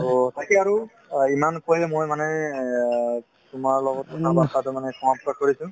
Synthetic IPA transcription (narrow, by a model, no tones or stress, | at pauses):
otakiaɹu | imankojmojmanɛ | tʊmaɹlɔɡɔtɔtabatatʊmanɛkʰɔmaptakoɹisʊ̃